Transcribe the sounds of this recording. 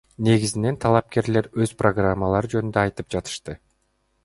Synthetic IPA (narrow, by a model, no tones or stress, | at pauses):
ne̞ɡʲizine̞nt̪ʰɑlˠɑp̚ke̞ɾle̞ɾøzproɡramːalˠɑɾɯd͡ʒønynd̪øːjt̪ɯp̚d͡ʒɑt̪ɯ̥ʃt̪ɯ